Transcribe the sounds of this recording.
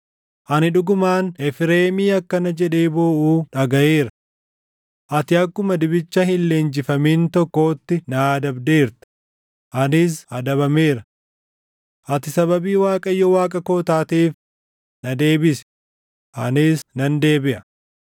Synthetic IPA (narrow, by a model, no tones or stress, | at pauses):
ʔɐnɪᶑʊɡʊmaːnɛfɪɾe̞ːmiːɐkːɐnɐd͡ʒɛᶑeːboːʔuːᶑɐɡɐʔeːɾɐ | ʔɐt̪ɪɐkːʊmɐd̪ɪbɪt͡ʃːɐhɪlle̞ːnd͡ʒɪfɐmiːnt̪ɔkːo̞ːt̪ːɪnɐːd̪ɐbd̪e̞ːɾt̪ɪ̥ | ʔɐnɪs̬ɐd̪ɐβɐme̞ːɾɐ | ʔɐt̪ɪsɐβɐbiːwaːkʼɐjːɔwaːkʼɐko̞ːt̪aːt̪iːf | nɐd̪e̞ːbɪs | ʔɐnɪsnɐnd̪e̞ːbɪʔɐ